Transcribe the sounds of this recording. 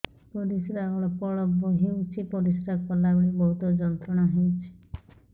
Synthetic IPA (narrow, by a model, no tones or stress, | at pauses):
pɔɾisɾaɡɔɭɔpɔɭɔboɦewt͡ʃʰipɔɾisɾakɔlaɡuɽibɔɦut̪ɔd͡ʒɔnt̪ɾɔɽ̃aɦewt͡ʃʰi̥